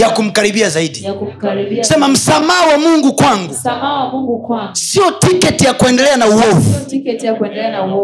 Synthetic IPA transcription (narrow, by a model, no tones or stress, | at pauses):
jakum̩kaɾiɓiazaiɗi | sɛmam̩samaawamuŋɡukwaŋɡuŋŋsiɔtikɛtijakuɛndɛlɛanauhɔfutkn